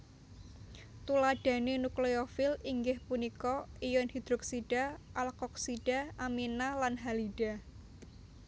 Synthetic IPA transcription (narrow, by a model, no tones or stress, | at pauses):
t̪ulaɖ̥ä̤nenukleofɪliŋɡɪhpunikɔijɔnhid̪̥ɾɔksiɖ̥a̤ʔalkɔk̚siɖ̥a̤ʔaminalanɦaliɖ̥a̤